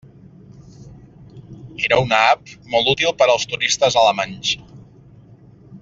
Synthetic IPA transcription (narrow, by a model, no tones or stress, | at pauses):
eɾəunəapmɔlˠt̪ut̪ilˠpəɾəlˠst̪uɾist̪əzələmanʲs